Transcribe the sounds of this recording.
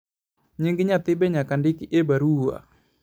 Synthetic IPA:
ɲiŋɡiɲat̪ɪbɛɲakandikiʔebaɾua̰

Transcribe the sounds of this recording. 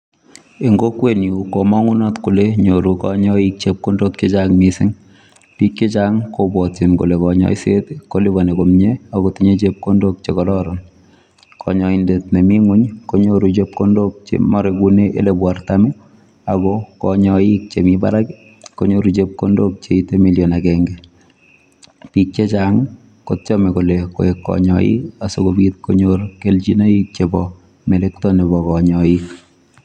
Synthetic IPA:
eŋɡokweniukomɔŋunɔtkuleɲoɾukɔɲɔik̚t͡ʃep̚kondok̚t͡ʃet͡ʃaŋmisɪŋ | pikjet͡ʃaŋkobwɔtinkṵlekɔɲɔ̰isetkoliβanekomɲeakotiɲet͡ʃep̚kondok̚t͡ʃekɔlɔɾɔn | kʰɔ̰ɲɔindet̚nemiŋuɲkoɲoɾut͡ʃep̚kondok̚t͡ʃḛmɔɾekuneʔḛlebwartami | aɡɔkɔɲɔjik̚t͡ʃemiba̰ɾaki | koɲoɾut͡ʃep̚kondok̚t͡ʃeitemiljonakɛŋɡɛ | pik̚t͡ʃet͡ʃaŋ | kott͡ʃɔmekoleko̰ekːɔ̰ɲɔ̰jḭasokobit̪̚koɲorkelt͡ʃinaik̚t͡ʃebɔ | melek̚tɔnibɔkɔɲɔik

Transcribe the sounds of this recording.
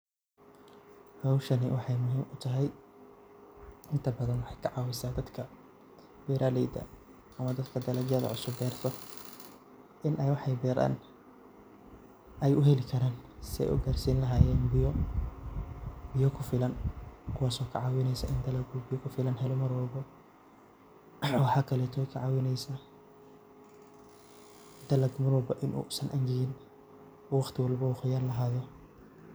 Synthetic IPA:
hɐwʃɐnɪwʔɑħɑjmʊɦiːmʊt̪ʰɐɦɛj | ɪnt̪ʰɐbɐðɐnwɑħɑjkʰɐʕɑːwɪsaːd̪ɐd̪kʰɐ | wɛːɾʔaːlɛjd̪ɐ̰ | ʔɐmɐd̪ɐd̪kʰɐd̪ɐlɐɡjɐðɐ̰ʕʊsʊbːɛːrt̪ʰɔ | ʔɪnʔɛjwɑħɑjbɛːɾa̰ːn | ɛjʊɦɛlɪkʰɐɾaːnsɪɛ̰jʔʊ̰ɡaːrsiːnlɐɦaːjɛːnbɪjɔ | bɪjɔkʰʊfɪlɐnkʰʊwaːsɔːkʰɐ̰ʕɑːwɪnɛjsɐʔɪnd̪ɐlɐɡubɪjɔkʰʊfɪlɐnɦɛlɔmɐɾɔːbɔ | wɑħɑːkʰɐlɛːt̪ʰɔkʰɐʕɑːwɪnɛjsɐ | d̪̥ɐlɐɡmɐɾɔːbɐʔɪnʔṵːsɐnʔɐŋɡɪɣɪn | wɑχt̪ʰɪwɑlbɔʊχʊjaːnlɐɦaːðɔ

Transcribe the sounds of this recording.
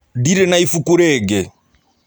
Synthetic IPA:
diɾɛnaifukuɾɛːɡɛ

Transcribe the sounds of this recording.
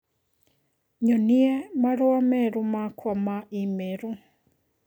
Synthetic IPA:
ɲoniɛmaɾoamɛɾumakʰwamaʔimeɾu

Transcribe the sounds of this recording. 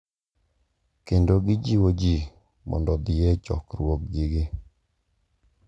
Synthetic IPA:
kendoɡɪd͡ʒiwod͡ʒi | mɔ̰ndɔd̪ɪet͡ʃɔ̰kɾwok̚d͡ʒiɡɪ

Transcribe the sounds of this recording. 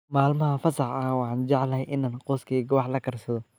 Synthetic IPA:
maːlmɐɦɐfɐsɑħɐwɑħɑːnd͡ʒɑʕlɐhɛjʔɪnaːnqɔːskʰɛːɡɐwɑħlɐkʰɐrsɐðɔ

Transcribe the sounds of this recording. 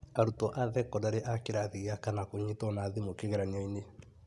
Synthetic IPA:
aɾutɔʔaðɛkɔdaɾeʔakeɾaðiakanakoɲetɔnaðimokeɣɛɾaɲaine

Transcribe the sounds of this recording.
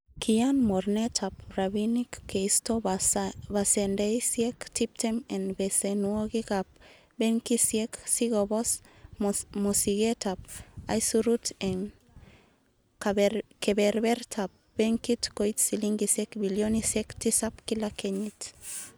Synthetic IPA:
kʰianmoɾnet̪ʰapɾaβinikkːeist̪o | basendejsjekt̪ip̚temenbesenuoɡikap̚ | beŋkisjeksiɡobos | mosiɡet̪ap̚a̰jsuɾuteŋ | kakebeɾbeɾtʰap̚beŋkit̪kojt̪siliŋɡisekbiljonisekt̪isapkilakʰeɲit̪

